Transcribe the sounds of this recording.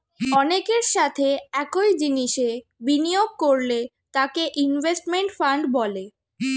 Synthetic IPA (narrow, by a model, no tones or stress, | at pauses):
ɔnekeɾʃat̪ʰeɛkojd͡ʑiniʃebinijoɡ̚koɾle | t̪akeʔinvesʈmeɳʈfaɳɖbɔle